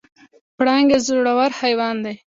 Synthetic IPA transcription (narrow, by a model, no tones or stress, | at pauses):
pɽɑŋɡezɾoɽawaɾhajwɑnd̪aj